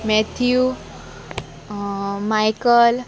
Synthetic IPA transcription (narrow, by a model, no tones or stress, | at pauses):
mɛt̪ʰiju | majkəl